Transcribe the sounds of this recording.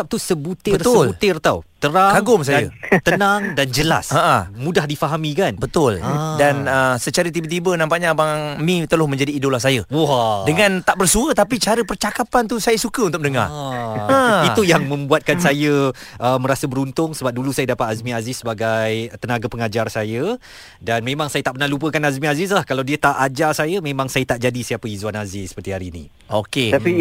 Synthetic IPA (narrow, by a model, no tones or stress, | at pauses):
ap̚t̪usəbut̪ɪərsəblut̪ɪrt̪awt̪əɾakaŋɡʊmsajat̪ənaŋdand͡ʒəla̰saəmũdahdifaɦamikanbət̪ʊldanəsət͡ʃaɾət̪ibət̪ibənampaʔɲabaŋŋmĩt̪əlʊhmə̃ɲd͡ʒadiːdolasajəudəŋãnt̪aʔbərsuət̪apit͡ʃaɾəpərt͡ʃakapant̪̬usajəsukəunt̪ʊk̚nəŋa̰rəiujaŋmə̃mbuat̪̚kansajə | ʔəməɾasəbəɾunt̪ʊŋsəbap̚dulusajədapat̪azmĩazɪsːəbaɡajt̪ənaɡapəŋad͡ʒarsajə | danmẽmaŋsajət̪aʔpərnahlupəkanazmĩazɪs̬lahkalawdiət̪aʔad͡ʒarsajəmẽmãŋsajət̪aʔd͡ʒadisiapəizuanazɪssə̥pərt̪iɦaɾiːnḭ̃ | ʔo̰ket̪api